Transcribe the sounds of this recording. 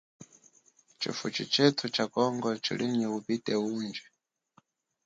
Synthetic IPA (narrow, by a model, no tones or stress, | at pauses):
t͡ʃʰḭfut͡ʃit͡ʃʰɛtʰut͡ʃʰakɔŋɡɔt͡ʃʰḭlʔiɲɛupitɛuːnd͡ʒɛ